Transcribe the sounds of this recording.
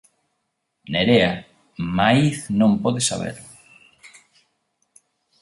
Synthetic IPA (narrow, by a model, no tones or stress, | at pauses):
neɾea | maiθnõmpɔðesa̰β̞ḛɾ